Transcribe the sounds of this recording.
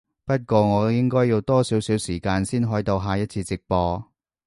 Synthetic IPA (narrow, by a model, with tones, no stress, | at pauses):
pɐ˥t̚kʷɔː˧ŋɔː˨˧jɪ˥ŋkɔː˥jːi˧wt̪ɔː˥siː˨˥wsiː˨˥wsiː˨˩kaː˧nsiː˥nɦɔː˨˥jt̪o˧wɦaː˨˧jɐ˥t̚t͡sʰiː˧t͡sɪ˨k̚pɔː˧